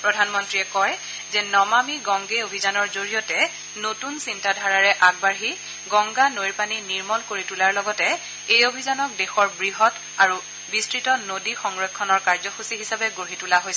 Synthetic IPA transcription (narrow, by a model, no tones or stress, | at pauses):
pɹɔdʱanmɔntɹiɛkɔj | zɛnɔmamiɡɔŋɡeobʱizanɔɹzoɹijɔtɛ | notunsintadʱaɹaɹɛʔaɡ̚baɹɦi | ɡɔŋɡanoɹpaniniɹmɔlkoɹitulaɹlɔɡɔtɛ | ejobʱizanɔk̚dexɔɹbɹiɦɔt | aɹu | bistɹitɔnodixɔŋɹɔjkʰːɔnɔɹkaɹzɔxusiɦisabɛɡoɹitulaɦojsɛ